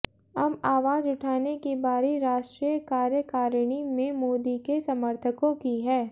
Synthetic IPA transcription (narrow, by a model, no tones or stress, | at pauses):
ɐmaːʋaːd͡ʒʊʈʰaːnekibaːɾiɾaːʃʈɾiːjəkaːɾjəkaːɾɽ̃imẽmoːd̪ikesɐməɾt̪ʰəkõkiɦɛː